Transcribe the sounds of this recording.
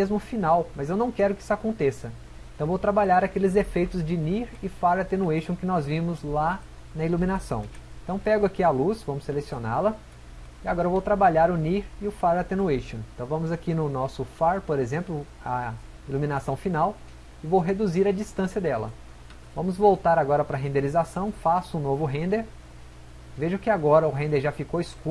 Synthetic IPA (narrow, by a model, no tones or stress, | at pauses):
mezmʊfinawmɐzewnɐ̃w̃kɛɾʊkɪisʊakõnt̪esɐ | ẽt̪ɐ̃w̃vowt̪ɾabaʎaɾakelɪzefejt̪ʊzd͡ʒɪniɾɪfaɾat̪enueʃõw̃kɪnɔzvĩmʊzla | nɐilumĩnasɐ̰̃w̃ẽt̪ɐ̃w̃pɛɡʊakialusvɐ̃mʊsːelesiona̰lɐ | iaɡɔɾɐevowt̪ɾabaʎaɾʊniɾɪʊfaɾat̪ẽnueʃõẽt̪ɐ̃w̃vɐ̃mʊzakinʊnɔsʊfaɾpoɾezẽmplʊ | ɐ | ilumĩnasɐ̃w̃finaw | ɪvowɦed̪uziɾɐd͡ʒist̪ɐ̃siɐd̪ɛlɐ̰ | vɐ̃mʊzvowt̪aɾaɡɔɾɐpɾɐɦẽnd̪elizasɐ̃w̃fasʊũnovʊɦẽnd̪eɾ | veʒʊkɪaɡɔɾɐʊɦẽnd̪eɾʒafikoɪsku